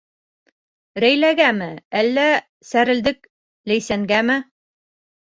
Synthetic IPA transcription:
ɾæjlæɡæmɘælːæ | sæɾɘ̆ld̪ɘk̚ | læjsæŋɡæmɘ

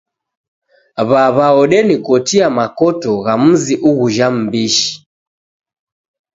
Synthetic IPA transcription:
βaβaɔɗɛnikɔtiamakɔtɔɣam̩ziʔuɣuʒam̩biʃi̥

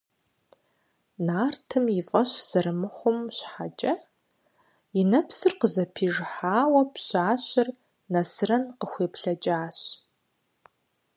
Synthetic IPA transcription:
naːrtʰɨmjɪfʼɐɕz̥ɐɾɨmɨχʷʊmɕħat͡ʃʼɐ | jɪnɐpsɨrqəzɐpʰiːʒħaːwɐpɕaːɕɪr | nɐsɨrɐnqəxʷeːpɬɐt͡ʃʼaːɕ

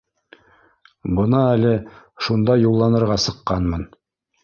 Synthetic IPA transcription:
bɤ̆nɑælɘ | ʃund̪ɑjulˠːɑnɤ̆ɾʁɑsɤ̆qːɑnmɤn

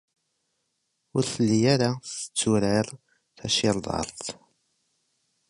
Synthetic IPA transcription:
ʊɾθəlːijaɾaθə̥t͡sːuɾəɾ | θæʃɪɾˤðˤɑ̰ɾˤθ

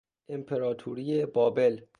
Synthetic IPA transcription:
ʔempʰeɾɒːt̪ʰuɾijebɒːbe̞l

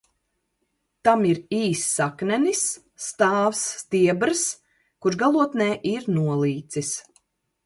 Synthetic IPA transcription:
t̪amiɾiːsːaknɛnisː | t̪aːvsːt̪iɛbɾɨs | kuɾʒɡalˠuɔt̪nɛːʔiɾnuɔlˠiːt̪sis

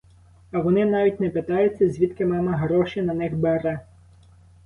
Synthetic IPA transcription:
ɐʋɔnɪnɑʋʲitʲnɛpet̪ɑjʊt͡sʲːɐzʲʋʲit̪kɪmɑmɐɦɾɔʃinɐnɪxbeɾɛ

